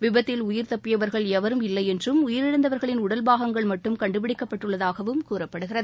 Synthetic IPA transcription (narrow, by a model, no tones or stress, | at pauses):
ʋɪbɐt̪ːɪlʊjɪɾt̪ɐpːɪjɐʋɐɾɣɐɭɛʋɐɾɯmɪlːɐɪɛndrɯmʊjɪɾɪɽɐnd̪ɐʋɐɾɣɐɭɪnʊɽɐlbaːɣɐŋɡɐɭmɐʈːɯmkɐɳɖɯpɪɽɪkːɐpːɐʈːɯɭːɐðaːɣɐʋɯmkuːrɐpːɐɽɯɣɪrɐðɯ